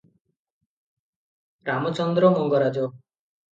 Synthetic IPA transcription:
ɾamɔt͡ʃɔnd̪ɾɔmɔŋɡɔɾad͡ʒɔ

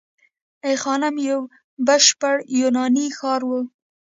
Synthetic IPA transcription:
ejxɑnamjaw | baʃpaɽjunɑnixɑɾwə

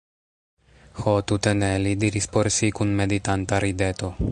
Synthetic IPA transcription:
xot̪ut̪enelid̪iɾispoɾsikunmed̪it̪ant̪aɾid̪et̪o

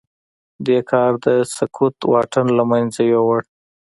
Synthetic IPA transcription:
d̪ekʰɑɾd̪əsakʰut̪wɑʈanlamajnzajowəɽ

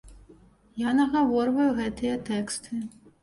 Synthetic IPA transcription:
janɐɣavɔrvɐjuɣɛt̪ɨjɐt̪ɛkst̪ʰɨ

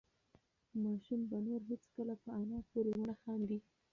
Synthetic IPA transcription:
mɑʃumbanoɾɦed͡zkəlapəɑnɑpoɾewʊɳaxɑnd̪i

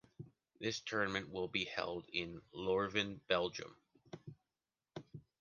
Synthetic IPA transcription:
ðɪstʰɜ˞nɨmɨ̃nʔwɪlˠbihɛ̰lˠdɪ̃nlɔɹvɨ̃nb̥ɛlˠd͡ʒɨ̰̃m

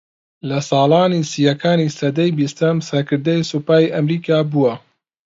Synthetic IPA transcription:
lɐsɑːlaːniːsijɐkʰaːniːsɐd̪ɐjbist̪ɐmsɐɾkɨɾd̪ɐjsupaːiʔɐmɾiːkaːbuwɐ

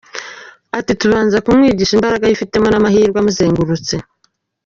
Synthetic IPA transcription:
atituβaːnzakumŋiːɟiːʃimbaɾaɡajifite̞mo̞namahiːɾɡwamuzeːŋɡuɾut͡se

